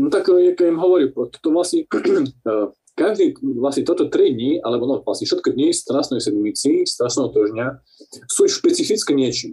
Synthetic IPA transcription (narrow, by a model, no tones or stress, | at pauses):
nɔt̪akjakɛimɦɔʋɔɾipɾɔt̪ɔ̥t̪ɔʋlasɲɛ | kaʒd̪iːʋlasɲɛt̪ɔt̪ɔt̪ɾid̪ɲialɛbɔnɔvla̰sɲɛfʃɛt̪kɔd̪ɲist̪ɾasnɛjsɛd̪mit͡siːst̪ɾaʃnɛɦɔt̪ɔʒɲɪa | suːʃpɛt͡sifit͡skɛɲɪɛt͡ʃi